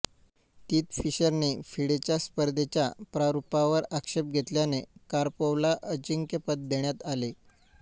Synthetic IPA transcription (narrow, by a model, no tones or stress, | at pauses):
t̪iːt̪fiɕəɾniːfiɽet͡ɕjaspəɾd̪ʱet͡ɕjapɾaɾupaʋəɾakʂep̚ɡʱet̪ljanekaɾpoʋlaʔət͡ɕiŋkepət̪̚d̪eɳjat̪ale